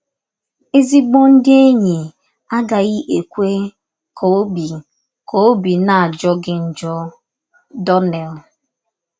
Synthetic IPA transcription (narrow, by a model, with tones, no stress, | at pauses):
e˦zi˦ɡ͡bo˦n̩˦dɪ˦e˦ɲi˨ | a˦ɡa˨ɣi˦ʔe˨kʷe˦ | kʰo˨˦bi˨ | kʰo˨˦bi˨na˨a˨d͡ʒɔ˦ɡɪ˦n̩˨d͡ʒɔ˦ | dɔ˦nɛ˨l